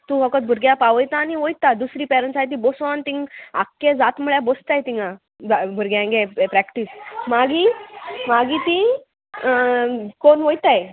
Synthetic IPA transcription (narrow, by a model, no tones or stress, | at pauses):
t̪ũfɔkət̪̚bʱuɾɡjapaʋəjt̪aːniʋojt̪ad̪usɾiːpɛɾənsajt̪̬ĩbosʋɔnt̪ĩŋɡa̰kːed͡zat̪muɭjabost̪ajt̪ĩŋɡã | bʱuɾɡjãŋɡepɾɛkʈiːsmaɡimaɡit̪ĩ | konʋojt̪aj